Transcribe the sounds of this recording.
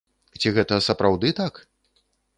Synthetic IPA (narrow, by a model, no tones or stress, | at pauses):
t͡sʲiɣɛt̪ɐsɐpɾawd̪ɨt̪ak